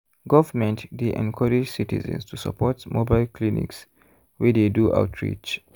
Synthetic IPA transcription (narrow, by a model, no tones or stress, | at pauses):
ɡɔvəmɛ̃ntdeʔɛ̰̃nkʰɔɹid͡ʒsitḭzə̰̃nstʰusə̰pʰɔtmobaɪlkʰlinḭks | wideduʔa̰ʊtʰɹḭt͡ʃ